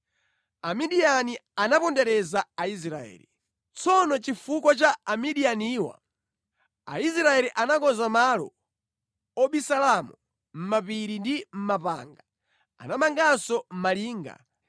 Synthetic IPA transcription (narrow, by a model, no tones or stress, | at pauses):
amiɗianianapɔndɛɾɛzaais̬ɾaɛ̰ːli | t͡sɔnɔt͡ʃifukɔt͡ʃaːmiɗianiːwa̰ | a̰is̬ɾaɛɾiʔanakɔzamalɔ̰ | ɔɓisalamu | m̩mapiɾindim̩mapa̰ːŋɡa | a̰namaŋɡasɔm̩maliːŋɡa̰